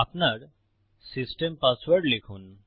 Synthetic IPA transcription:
apnaɾ | sisʈempasʋəɾʈlekʰuːn

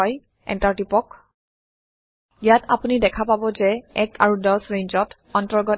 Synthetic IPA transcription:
ɔj | ɛ̰ntaɹtipɔk | ijatʰa̰punidɛkʰapabɔzɛɛkʰa̰ɹudɔsɹejɲzɔt | ɔntɔɹɡɔ

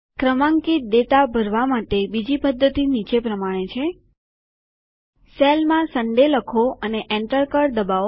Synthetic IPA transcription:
kɾəmãŋkit̪̚d̪et̪abʱəɾʋamaʈebid͡ʒipəd̪ʱːət̪init͡ʃepɾəmaɽ̃et͡ʃʰe | selmãsəɳɖeləkʰoəneʔɛ̃ɳʈəɾkəɾd̪əbao

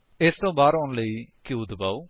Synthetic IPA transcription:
est̪õːbaːɾɔːnləikiud̪ba̰ːuː

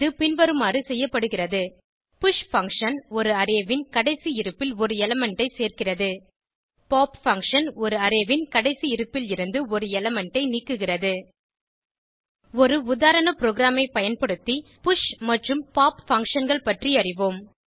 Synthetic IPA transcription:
ɯpɪnʋɐɾɯmaːrisɛjːɐpːɐɽɯɣɪrɐðɯ | pʊʂfɐŋkʂɐnɔɾɯɐɾeːʋɪnkɐɽɐɪsiɪɾɯpːɪlɔɾɯɛlɐmɛɳʈɐɪseːrkɪrɐðɯ | paːpfɐŋkʂɐnɔɾɯɐɾeʋɪnkɐɽɐɪsiɪɾɯpːɪlɪɾɯnd̪ɯɔɾɯɛlɐmɛɳʈɐɪniːkːɯɣɪrɐðɯ | ɔɾɯʊðaːɾɐnɐpɪɾoːɣɾaːmɐɪpɐjɐnpɐɽɯt̪ːipʊʂmɐʈrɯmpaːpfɐŋkʂɐnɡɐɭpɐʈriɐrɪʋoːm

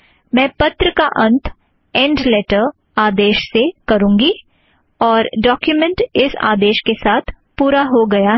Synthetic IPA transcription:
mɛ̃ːpɐt̪ɾəkaʔɐ̃nt̪ʰ | ɛ̃ːɳɖleːʈəɾ | aːd̪eːʃsekɐɾũːŋɡi | ɔːɾɖɔːkjumə̃ɳʈɪsa̰ːd̪eːʃkesaːt̪ʰ | puːɾaɦoɡɐja

